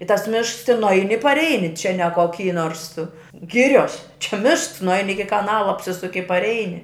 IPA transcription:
ɪ tɐs ˈmʲɪʃks tʲɪn nʊˈɐɪnʲɪ ɪ pɐrʲˈɛɪnʲɪ t͡ʃʲɛ nʲɛ koːˈkʲiː noːrs ˈɡʲɪrʲoːs t͡ʃʲɛ ˈmʲɪʃks nʊˈɐɪnʲɪ ˈɪkʲɪ kɐˈnɑːlˠɐ ɐpʲˈsʲɪsʊkʲɪ ɪ pɐrʲˈɛɪnʲɪ

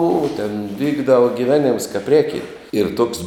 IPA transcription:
ʊ tʲɛn ˈʋʲiːɡdɐʋɐ ɡʲɪˈʋʲæːnʲɪms kɐp ˈrʲeːkʲɪnt ɪr tuɔks

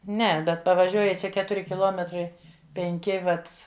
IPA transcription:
ˈnʲɛ ˈbʲɛt pɐʋɐˈʒʲuɔjɪ ˈt͡ʃʲɛ ˈkʲæːtʊrʲɪ kʲɪˈlˠuɔmʲɛtrɐɪ pʲɛŋʲˈkʲɪ ˈʋɐt

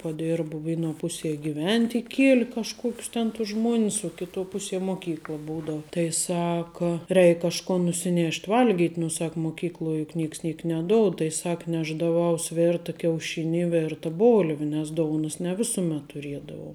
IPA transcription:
pɐˈdʲeːrbʊ ˈʋʲeːˌnuɔ ˈpʊˌsʲiɛ ɡʲɪˈʋʲɛnʲtʲ ɪˈkʲiɛlʲɪ kɐʃˈkuɔkʲʊs tʲɛn tʊs ˈʒmuɔnʲɪs uɔ ˈkʲɪˌtuɔ ˈpʊˌsʲiɛ ˈmoːˌkʲiːklˠɐ ˈbuːdɐʊ ˈtɐɪ ˈsɑːkɐ ˈrʲɛɪk kɐʃˈkoːn nʊsʲɪˈnʲeːʃʲtʲ ˈʋɐlʲɡʲiːtʲ nʊ ˈsɐk moːˈkʲiːklˠoːj jʊk ˈnʲeːks ˈnʲiɛk nʲɛˈdoːʊt tɐɪ ˈsɐk ˈnʲæːʒdɐˌʋɐʊs ˈʋʲɛrtɐ kʲɛʊˈʃʲɪnʲɪ ɪ ˈʋʲɛrtɐ ˈboːlʲʋʲɪ nʲɛs ˈdoːʊnʊs nʲɛ ˈʋʲɪsʊmʲɛt tʊˈrʲiɛdɐʋɐʊ

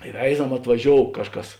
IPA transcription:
ɪ ˈʋʲɛɪzɐm ɐtʋɐˈʒʲoːʊ ˈkɑːʃˌkɐs

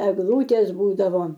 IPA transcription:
ɛɡˈlˠuːtʲeːs ˈbuːdɐʋoː

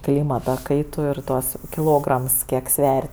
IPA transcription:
ˈklʲiːmɐtɐ ˈkɐɪtʊ ɪr ˈtuɔs kʲɪˈlˠoːɡrɐms ˈkʲiɛk ˈsʲʋʲɛrʲ

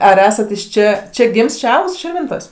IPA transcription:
ɐr ˈæːsɐtʲɛ ɪʃ ˈt͡ʃʲɛ ˈt͡ʃʲɛ ˈɡʲɪms ˈt͡ʃʲɛ ˈɐʊks ʃʲɪrʲˈʋʲɪntoːsʲ

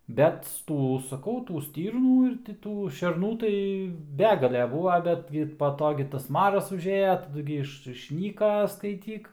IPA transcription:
bʲɛt ˈtuː sɐˈkɐʊ ˈtuː ˈsʲtʲiːrnuː ɪr tʲɪ ˈtuː ʃʲɛrˈnuː tɐɪ ˈbʲæːɡɐlʲɛ ˈbuːʋɐ ˈbʲæːdʲɡʲɪ pɐ ˈtoː ɡʲɪ tɐs ˈmɑːrɐs ʊʒʲˈeːjɛ tɐˈdʊ ɡʲɪ ˈɪʃ ɪʃʲˈnʲiːkɐ skɐɪˈtʲiːk

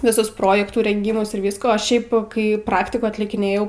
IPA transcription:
ʋʲɪˈsʊs ˈproːjɛktuː rʲɛŋʲˈɡʲiːmʊs ɪr ˈʋʲiːskoː oː ˈʃʲɛɪp kɐɪ ˈprɑːktʲɪkuː ɐtʲlʲɪkʲɪˈnʲeːjɛʊ

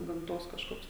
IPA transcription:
ɡɐmˈtoːs kɐʃˈkoːks

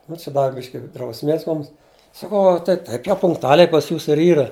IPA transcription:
nʊ t͡ʃʲɪ ˈdɑːʋʲɪ ˈbʲɪʃʲkʲɪ drɐʊsʲˈmʲeːs ˈmʊms sɐˈkɐʊ ɐ tɐɪ ˈtɐɪp jɛʊ pʊŋktʊˈɑːlʲɛɪ pɐs ˈjuːsʊ ɪr ˈiːrɐ

